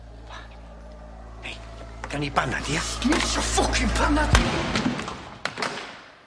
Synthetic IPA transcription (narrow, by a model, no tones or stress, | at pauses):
vej | d̥anibana̰diḁniɬɔfʊkʰibanadi